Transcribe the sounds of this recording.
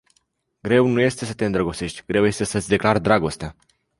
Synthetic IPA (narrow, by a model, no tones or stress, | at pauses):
ɡɾe̞wnuje̞st̪e̞sət̪e̞ɨnd̪ɾəɡo̞t̪se̞ʃʲt̪ʲɡɾe̞wje̞st̪e̞sət̪sʲd̪e̞klard̪ɾaɡo̞st̪ea